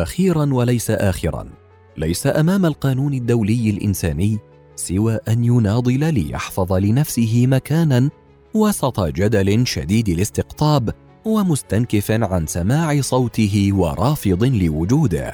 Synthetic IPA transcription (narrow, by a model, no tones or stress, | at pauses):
ʔaxiːɾanwalajsaʔaːxɪɾˤɑ̰n | lajsaʔamaːmalqɑːnuːnad̪ːawlɪjːalʔɪ̰nsaːnɪjː | sɪwaːʔanjʊnɑːd̪ˤɨlalɪ̰jɑ̰ħfɑðˤɑlɪnafsɪɦɪmakaːnan | wɑsˤɑt̪ˤɑd͡ʒad̪alɪʃa̰d̪iːd̪ɪlɪst̪ɪqt̪ˤɑːb | wamʊst̪ankɪfaʕansamaːʕɪsˤɑwt̪ɪɦɪwɑ̰ɾˤʔɑːfɨd̪ˤlɪwʊd͡ʒuːd̪ɪ̰h